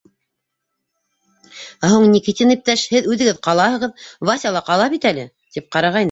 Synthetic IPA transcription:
æɦuɴnʲikit̪ʲinip̚t̪æʃhɘðʉðɘ̆ɡɘðqɑlˠɑhɤ̆ʁɤðvɑsʲɑlˠɑqɑlˠɑpit̪ælɘ | t̪ip̚qɑɾɑʁɑjnɤ

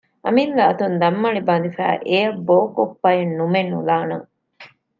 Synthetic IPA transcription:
ʔɐ̰milːɐːt̪und̪ɐmːɐɭibɐnd̪ifæ̰ːʔejɐboːkopːɐjenːumenːṵlaːnɐŋ

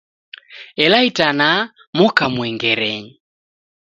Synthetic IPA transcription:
ɛlaitana | mɔkamwɛŋɡɛɾɛɲi

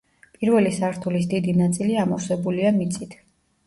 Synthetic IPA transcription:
pʼiɾvɛlisaɾt̪ʰulisd̪id̪inat̪sʼiliamɔfsɛbuliamit̪sʰʼit̪ʰ

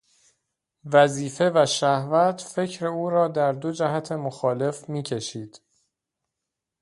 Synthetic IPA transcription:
væziːfe̞væʃæhvæt̪ʰfe̞cʰɾe̞uːɾɒːd̪æɾd̪o̞d͡ʒæɦæt̪ʰe̞moxɒːle̞fmiːcʰe̞ʃiːd̪̥

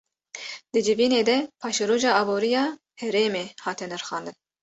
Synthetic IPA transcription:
d̪̥ɨd͡ʒɪviːneːd̪ɛpʰɑːʃɛɾoːʒɑːɑːboːɾijɑː | hɛɾeːmeːhɑːt̪ʰɛnɛɾxɑːnd̪ɨn

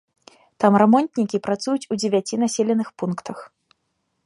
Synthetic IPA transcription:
t̪amɾamɔnt̪nʲikʲipɾat̪sujut͡sʲud͡zʲevʲat͡sʲinasʲelʲɛnɨxpunkt̪ʰɐx

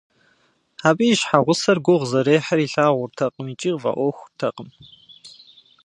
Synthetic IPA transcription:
aːbiːjʃħaʁʷʊsɐrɡʷʊʁzɐɾeːħariːɬaːʁʷʊrtʰɐqʼəmiːt͡ʃʼiːʁvɐ̰ʔʷɔxʷʊrtʰɐqəm

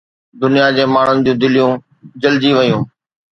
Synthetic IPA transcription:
d̪ʊnijad͡ʑeːmaːɳ̤ʊnɪ̆d͡ʑũːd̪ɪlijũː | d͡ʑəld͡ʑiʋɐjũː

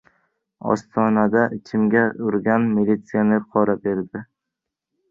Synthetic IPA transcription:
ɒ̰st̪ʰɒnad̪aʔɪt͡ʃʰɪmɡʲaʊɾɡʲanmilʲit̪sijanɪqʰɒɾabeɾd̪ɪ

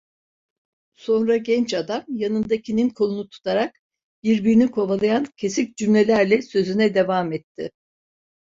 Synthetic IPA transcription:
so̞nɾaɟɛnt͡ʃad̪amjanɯnd̪acʰininkʰo̞lˠunut̪ʰu̥t̪ʰaɾak̚ | biɾbiɾinikʰo̞valˠajancʰe̞sic̚ʲd͡ʒymlʲelʲæɾlʲɛsø̞zynɛd̪e̞vamɛt̪ʰːɪ̰

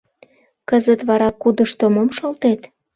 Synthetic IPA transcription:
kəzət̪βɑɾɑkːud̪ə̆ʃt̪omomʃolt̪et̪

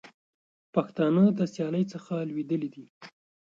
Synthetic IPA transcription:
paxt̪ɑnəd̪əsjɑləjt͡səxalwid̪əlid̪i

